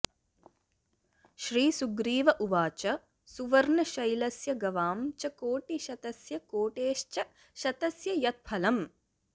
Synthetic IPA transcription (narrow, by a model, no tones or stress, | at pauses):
ʃɾiːsuɡɾiːʋɐʔuʋaːt͡ʃɐ | suʋɐɾɳɐʃɐjlɐsjɐɡɐʋaːmt͡ʃɐkoːʈiʃɐt̪ɐsjɐkoːʈeːʃt͡ʃɐ | ʃɐt̪ɐsjɐjɐt̪̚pʰɐlɐm